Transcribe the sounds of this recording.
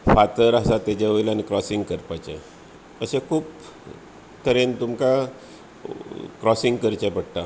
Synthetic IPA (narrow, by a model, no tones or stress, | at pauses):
fat̪əɾasat̪ːed͡ʑeʋojlanikɾɔsiŋɡkəɾpat͡ɕḛ | əsẽkʰuːp | t̪əɾent̪umka | kɾɔsiŋɡkəɾt͡ɕepəɽt̪a